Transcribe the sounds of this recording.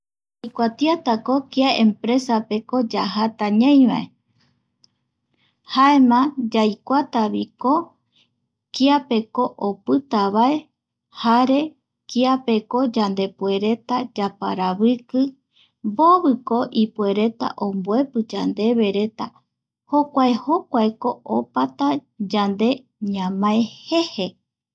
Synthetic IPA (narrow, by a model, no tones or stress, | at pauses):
ajkʷat̪iat̪akokiaẽmpɾe̞sape̞ko̞d͡ʒaɦat̪aɲãj̃βa̰e̞ | haemãd͡ʒajkʷat̪aβiko | kiape̞ko̞ʔopɨt̪aβae̞ | haɾe̞ | kiape̞ko̞d͡ʒand̪e̞pwe̞ɾe̞t̪ad͡ʒapa̰ɾaβɨkɨ | mboβɨko̞ʔipue̞ɾe̞t̪a̰ʔõmboe̞pɨd͡ʒand̪e̞βe̞ɾe̞t̪a | ho̞kʷaeho̞kʷaeko̞opat̪ad͡ʒand̪e̞ | ɲãmãehe̞he